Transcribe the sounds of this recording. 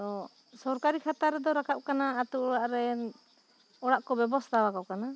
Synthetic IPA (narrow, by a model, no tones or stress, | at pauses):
t̪ɔ | sɔɾkaɾikʰat̪aɾɛd̪ɔɾakʰap̚kanaːt̪uɔɽaʔɾɛ | ɔɽaʔkɔbɛbɔst̪awakaʔ̚kana